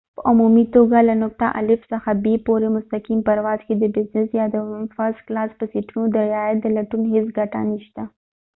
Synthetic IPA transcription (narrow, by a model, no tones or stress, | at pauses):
pəʔʊmumit̪oɡalanʊk̚t̪a̰ʔa̰lɪfsəxabepoɾemʊst̪akimpəɾwɑzked̪əbɪznɪsjɑd̪ənfasklɑspəsiʈunod̪əɾɪɑjat̪̚d̪əlaʈunɦes̬ɡaʈa̰niʃt̪a